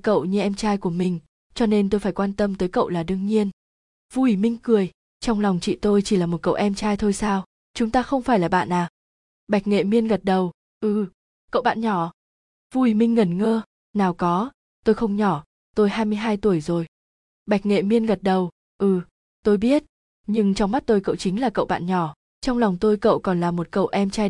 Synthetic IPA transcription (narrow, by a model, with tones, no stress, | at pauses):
kə̰˧˨wɲɨ˧ʔɛ˧mt͡ɕaː˧jku˧˩əmï˨˩ŋ̟ | t͡ɕɔ˧ne˧nt̪o˧jfaː˧˩jkwaː˧nt̪ə˧mt̪əː˨˦jkə̰˧˨wlaː˨˩ɗɨ˧əŋɲi˧ən | vu˧wi˧˩mï˧ŋ̟kɨ˨˩əj | t͡ɕɔ˧wŋ͡mla˨˩wŋ͡mt͡ɕḭ˧˨t̪o˧jt͡ɕi˧˩laː˨˩mo˨˩t̚kə̰˧˨ʔɛ˧mt͡ɕaː˧jt̪ʰo˧jsaː˧w | t͡ɕʊ˨˦ŋ͡mt̪aː˧xə˧wŋ͡mfaː˧˩jlaː˨˩ɓa̰ː˧˨nʔaː˨˩ | ɓa˨˩jk̚ŋḛ˧˨mi˧ənɣə˨˩t̚ɗə˨˩w | ʔɨ˧˩ | kə̰˧˨wɓa̰ː˧˨nɲɔ˧˩ | vu˧i˨˩mï˧ŋ̟ŋə˨˩nŋəː˧ | naː˨˩wkɔ˨˦ | t̪o˧jxə˧wŋ͡mɲɔ˧˩ | t̪o˧jɦaː˧jmɨ˧əjɦaː˧jt̪u˧˩əjzo˨˩j | ɓa˨˩jk̟̚ŋḛ˧˨mi˧ənɣə˨˩t̚ɗə˨˩w | ʔɨ˧˩ | t̪o˧jɓi˦˥ət̚ | ɲɨ˧ŋt͡ɕɔ˧wŋ͡mma˦˥t̚t̪o˧jkə̰˧˨wt͡ɕï˨˦ŋ̟laː˨˩kə̰˧˨wɓa̰ː˧˨nɲɔ˧˩ | t͡ɕɔ˧wŋ͡mla˨˩wŋ͡mt̪o˧jkə̰˧˨wkɔ˨˩nlaː˨˩mo˨˩t̚kə̰˧˨wʔɛ˧mt͡ɕaː˧j